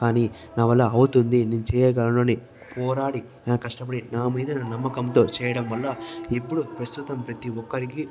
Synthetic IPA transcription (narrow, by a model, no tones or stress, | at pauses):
kaːniː | naːʋɐlːɐɐwut̪und̪iniːnut͡ʃɛːjɛːɡɐlɐnoːni | pɔːɾaːɽi | kɐʂʈɐpɐɽinaːmiːd̪ɐnɐnɐmːɐkɐnt̪o̞ːt͡ʃɛːjɐɽɐmʋɐlːɐipːuɽupɾɐst̪ut̪ɐmpɾɐt̪iʋɔkːɐɾiki